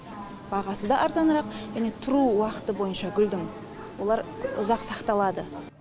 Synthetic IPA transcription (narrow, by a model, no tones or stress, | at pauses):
b̥ɑʁɑsəd̪ɑʔɑɾzɑnəɾɑqʒ̥æne̞t̪ʰʊɾuwɑqə̥t̪əbo̞jənʃɑɡʲʏld̪ɪŋ | wo̞lˠɑɾʊzɑqsɑqt̪ɑlˠɑd̪ə